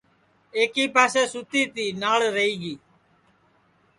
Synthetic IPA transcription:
eːkiːpaːseːsʊt̪iːt̪iːnaːɭɾəiːɡiː

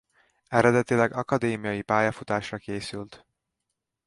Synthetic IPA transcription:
ɛɾɛd̪ɛt̪ilɛɡɒkɒd̪eːmijɒjipaːjɒfut̪aːʃrɒkeːsylt̪

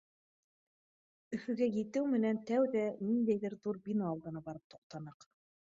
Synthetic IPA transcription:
ɵ̆fɵ̆ɡæjɘ̆t̪ɘwmɘ̆nænt̪æwðænind̪æjðɘɾðuɾbʲinoɑlˠd̪ɤ̆nɑbɑɾɤp̚t̪u̥q̚t̪ɑnɤq

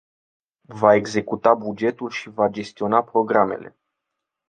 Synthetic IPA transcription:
vae̞ɡze̞kut̪abud͡ʒe̞t̪ulʃivad͡ʒe̞st̪io̞napɾo̞ɡɾame̞̰le̞̰

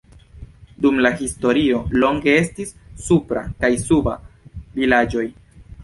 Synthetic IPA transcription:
dumlahisto̞ɾio̞lo̞ŋɡe̞e̞stisːupɾa̰kajsuba̰vilad͡ʒo̞j

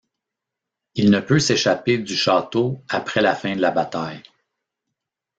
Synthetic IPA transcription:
ilnəpøseʃaped̪yʃɑːt̪oapχɛlafɛ̃d̪əlabat̪aj

